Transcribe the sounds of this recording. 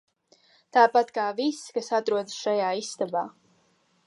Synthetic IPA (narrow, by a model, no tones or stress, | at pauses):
t̪aːpat̪kaːviskasat̪ɾuɔd̪sʃajaːist̪abaː